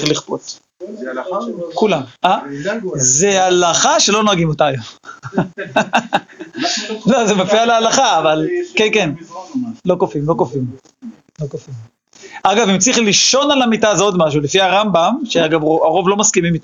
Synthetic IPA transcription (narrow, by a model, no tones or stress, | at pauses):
χliχpot | kulama | zealaχaʃe̞lo̞noaɡimotaːjom | lozemafialealaχaːvalkeken | lo̞kofimlo̞kofim | lo̞kofim | ʔaɡavimt͡siχliʃo̞nalamitazod̪maʃ̬ulefiaʁambamʃeaɡavoaʁo̞vlo̞maskimimito